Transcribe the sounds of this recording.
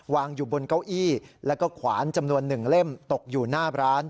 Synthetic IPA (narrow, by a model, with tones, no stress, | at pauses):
waː˧ŋjuː˨˩bo˧nka˥˩wʔiː˥˩lɛː˦˥wkɔː˥˩kʰwaː˩˦nt͡ɕa˧mnu˧ənːɯ˨˩ŋle˥˩mt̪o˨˩k̚juː˨˩naː˥˩ɾaː˦˥n